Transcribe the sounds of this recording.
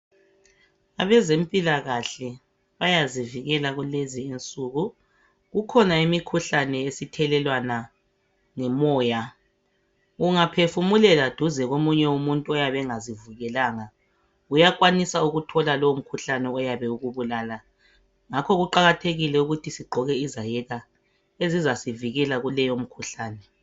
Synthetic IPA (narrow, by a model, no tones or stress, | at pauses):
aβɛzem̩pʼilaɣaɬɛ | βajaziviɣɛlaɣulezient͡sʼuɣu | ɣukʰɔnaimikʰuɬanɛesitʰɛlɛlwana | ŋɛmɔːja | ɣuŋapʰefumulɛlad̥ʱuzɛɣomuɲɛumuntʼuɔjaβɛŋazivuɣɛlaːŋa | ujakwanisauɣutʰɔlalɔwum̩kʰuɬanɛɔjaβɛuɣuβulaːla | ŋakʰɔɣuǃaɣatʰeɣilɛuɣutʰisiɡ͡ǃʱɔɣɛizajɛɣa | ezizasiviɣɛlaɣulɛjom̩kʰuɬaːnɛ